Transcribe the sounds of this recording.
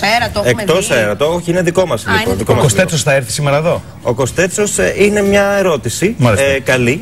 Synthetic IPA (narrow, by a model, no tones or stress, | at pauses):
ɐekkt̪o̞seɾɐt̪ooçiine̞ðikomɐsliponðikomɐkost̪et͡sosθɐeɾθi̥simeɾɐeðo̞ | o̞ko̞st̪e̞t͡so̞sine̞mɲɐeɾo̞t̪isimɐɾekɐli